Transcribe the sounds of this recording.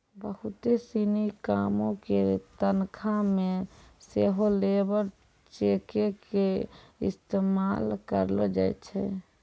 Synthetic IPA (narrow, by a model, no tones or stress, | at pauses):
bəɦut̪esinikamõket̪ənkʰameseɦolebəɾ | t͡ʃekekeist̪emalkəɾlɔd͡ʒa̰jt͡ʃʰɛ̰